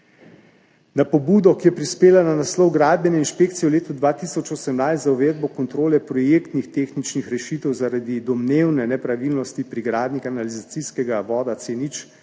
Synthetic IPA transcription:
napɔbuːd̪ɔkijɛpɾispeːlananaslɔwɡɾaːd̪̚bjɛnɛinʃpeːk̚t̪sijɛwleːt̪ud̪ʋaːt̪isɔt͡ʃosɛmnajst̪zauʋeːd̪̚bɔkɔnt̪ɾoːlɛpɾɔjeːkt̪nixt̪eːxnit͡ʃnixɾɛʃit̪ɛwzaɾad̪id̪ɔmneːwnɛnɛpɾaʋilnɔst̪ipɾiɡɾaːd̪nikanalizat̪siskɛɡaʋɔːd̪at̪senit͡ʃ

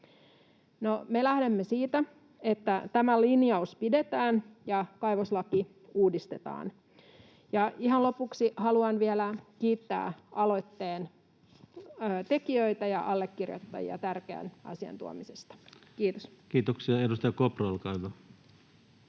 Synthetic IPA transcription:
nomelæhdemːesiːt̪æ | et̪ːæt̪æmælinjɑuspide̞t̪æːnjɑkɑjʋoslɑki | uːdist̪et̪ɑ̰ːn | jɑiɦɑnlo̞puksihɑluɑnʋielækiːt̪ːæ̰ːʔɑlo̞jt̪ːeːn | t̪e̞kiøit̪æjɑ̰ʔɑlːekːirjo̰t̪ːɑ̰jḭɑ̰t̪ærkeæ̰nʔɑ̰siɑ̰nt̪ṵo̰misest̪ɑ̥kiːt̪oskiːt̪oksiɑedust̪ɑjɑkoprɑlkɑiʋo

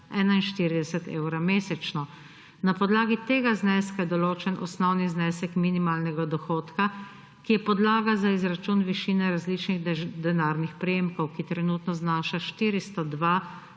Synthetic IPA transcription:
ɛːnainʃt̪iːɾid̪ɛsɛt̪eːwɾameːsɛt͡ʃnɔ | napɔd̪laːɡit̪eːɡaznɛːskajɛd̪ɔloːt͡ʃɛnʔɔsnɔwniznɛːsɛkminimaːlnɛɡad̪ɔxoːt̪ka | kijɛpɔd̪laːɡazaizɾat͡ʃunʋiʃiːnɛɾazliːt͡ʃniɣd̪ɛnaːɾnixpɾɛjeːmkɔwkit̪ɾɛnuːt̪nɔznaːʃaʃt̪iːɾist̪ɔd̪ʋaː

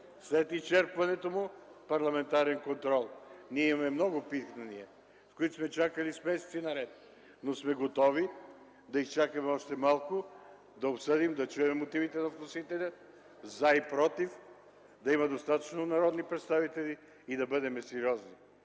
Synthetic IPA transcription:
slɛt̪ist͡ʃɛɾpvɐnɛt̪omʊpɐɾlˠɐmɛnt̪aɾɛnkont̪ɾɔlˠniɛimɐmɛmnɔɡʊpit̪knɐniɛ | skoit̪ʊ̥smɛt͡ʃakəlismɛsɛ̥t̪sinɐɾɛt̪̚ | nosmɛɡot̪ɔvi | d̪ɐist͡ʃakɐmɛɔʃt̪ɛmalˠkʊ | d̪ɐopsɤd̪imd̪ɐt͡ʃuɛmɛmot̪ivit̪ɛnɐfk̪ʊsit̪ɛlʲa | zaipɾɔt̪if | d̪ɐimɐd̪ost̪at̪ət͡ʃnonɐɾɔd̪nipɾɛt̪st̪avit̪ɛlʲiː | d̪ɐbɤd̪ɛmɛsɛɾiɔzni

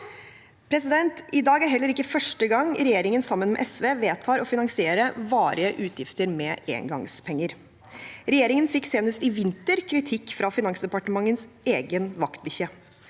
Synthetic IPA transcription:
pʰɾɛsɪd̪ɛnt̪ɪd̪ɑːɡæɾɦɛlːəɾɪkːəfœʂʈəɡɑŋɾɛjeːɾɪŋənsɑmːənmɛ̰ʔɛsʋeːʋeːt̪ʰɑːɾɔfɪnɑŋsɪeːɾəʋɑːɾɪəʔʉːt̪ʰjɪft̪əɾmɛʔḛːŋɡɑ̰ŋspʰɛŋːəɾ | ɾɛjeːɾɪŋənfɪkːseːnəst̪ɪʋɪnt̪əɾkʰɾɪt̪ʰɪkːfɾɑfɪnɑŋsd̪ɛpɑʈəmɑŋːənsʔeːɡənʋɑkt̪̚bʏçə

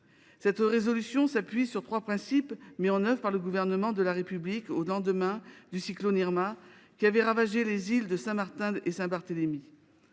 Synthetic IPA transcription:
sɛt̪ʁezɔlysjɔ̃sapɥisyʁt̪χwapχɛ̃sipmiɑ̃nœvʁpaʁləɡuvɛʁnəmɑ̃d̪əlaʁepyblikolɑ̃d̪əmɛ̃d̪ysikloniʁmakʲiavɛʁavaʒelezild̪əsɛ̃maʁt̪ɛ̃esɛ̃baʁt̪əlemi

